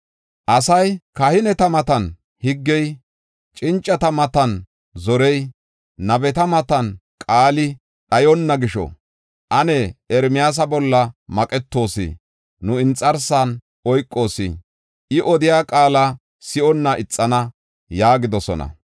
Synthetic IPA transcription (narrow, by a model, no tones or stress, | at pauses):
ʔɐsɐjkɐhɪnɛt̪ɐmɐt̪ɐn | hɪɡːɛj | t͡ʃʼɪnt͡ʃʼːɐt̪ɐmɐt̪ɐn | zɔɾɛj | nɐbɛt̪ɐmɐt̪ɐnkʼaːlɪ | ɗɐjɔnːɐɡɪʃɔ̰ | ʔɐnɛɛɾmɪjaːs̬ɐbɔlːɐmɐkʼɛt̪ːo̞ːsɪ̰ | nʊɪnt͡sʼːɐɾsan | ɔjkʼːo̞ːsɪ̰ | ʔɪʔɔd̪ɪjaːkʼaːlɐ | sɪʔɔnːɐʔɪt͡sʼːɐnɐ | jaːɡɪd̪ɔsɔ̰nɐ̰